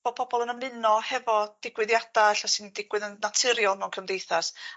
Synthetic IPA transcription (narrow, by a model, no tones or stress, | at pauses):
ɔpʰɔbɔlˠənəmɨnɔhɛvɔd̥ɪɡwɨðjad̥aɬɔsɨndɪɡ̥wɨðənnatʰɨɾjɔlˠmɛwnkʰəmdejθas